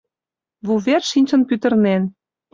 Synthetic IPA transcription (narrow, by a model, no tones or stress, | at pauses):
βuβerʃinʲt͡ɕə̆npyt̪ə̆rnen